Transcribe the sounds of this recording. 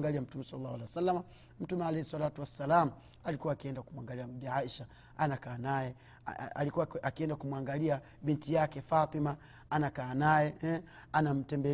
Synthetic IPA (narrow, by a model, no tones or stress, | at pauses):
ŋɡaliam̩tumɛsɔlalːahwalɛɛsalːama | m̩tumɛalɛhisalatuwasːalamu | alikuwaːkiɛndakumuaŋɡaliabiaiʃa | anakaːnajɛ | a̰likuwaakiɛndakumwaŋɡalia | bintijakɛfat̪ˤima | anakaːnajɛɛanam̩tɛmbɛ